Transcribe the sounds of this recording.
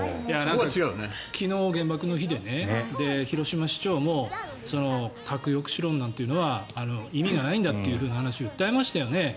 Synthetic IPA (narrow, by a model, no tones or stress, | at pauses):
janãŋkaiɡaɯne | kʲʰino̞ːɡẽ̞mbakɯ̟no̞çid̪e̞ned̪e̞çiɾo̞ɕimaɕi̥t͡ɕo̞ːmo̞ | so̞no̞kʰakɯ̟jo̞kɯ̟̥ɕiɾõ̞nːãnt̪e̞jɯ̟no̞βaːno̞imʲiɡanaĩnd̪at̪ːe̞jɯ̟ɸɯ̟ːnahanaɕioɯ̟t̪ːae̞maɕi̥t̪ajo̞ne̞